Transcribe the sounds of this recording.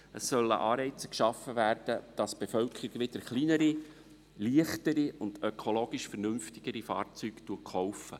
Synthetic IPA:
əsːœlːə̰ʔɑːɾɛɪt͡sə̥kʃɑfːəvæːɾd̥əd̥ɑsb̥efœlkʰəɾiɡʋɪd̥əɾχliːnəɾi | liəχtəɾiʊnd̥økʰoloːɡ̥ɪʃfɛɾnʏmftɪɡ̥əɾifɑ̰ːɾt͡syːktuəkχowfə

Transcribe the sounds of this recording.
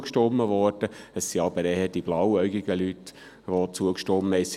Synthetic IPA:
kʃtɔmːəʋɔɾd̥əəssiɑbəɾɛhəd̥ib̥lɑwœɥɡiɡ̥əlyt̪ | ʋot͡suəkʃtɔmːəɛs

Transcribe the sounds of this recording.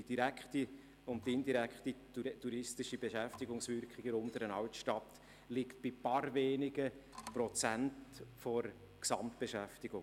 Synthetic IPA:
id̥iɾækχti | ʊnttɪnd̪iɾækχtitutuɾɪstɪʃibeʃæftɪɡʊŋsvʏɾkχɪɡənʊmd̪əɾənɑwtʃtɑt | lɪkt̚b̥ipɑɾveːnɪɡəprɔt͡sæntfɔɾ | ksɑmtb̥eʃæftɪɡʊŋ

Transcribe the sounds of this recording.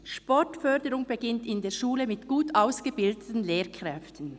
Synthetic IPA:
ʃpɔʁtfœdəʁʊŋbəɡɪntɪndeːɐʃuːləmɪtɡ̥uːtaʊsɡ̥əbɪldətən̩leːkʁ̥ɛftʰən̩

